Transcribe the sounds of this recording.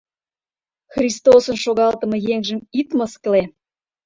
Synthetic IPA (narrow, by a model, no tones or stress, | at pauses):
xrʲist̪osənʃoɣɑlt̪ə̆mɤ̆jeŋʒəmit̪məskle